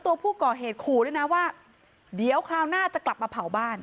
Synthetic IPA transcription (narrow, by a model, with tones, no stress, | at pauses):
t̪u˧ɐpʰuː˥˩kɔː˨˩ɦeː˨˩t̪̚kʰuː˧˩du˥˩˨jna˦˥waː˥˩ | di˩˦əwkʰɾaː˧wnaː˥˩t͡ɕa˨˩kla˨˩p̚maː˧pʰa˨˩˦wbaː˥˩n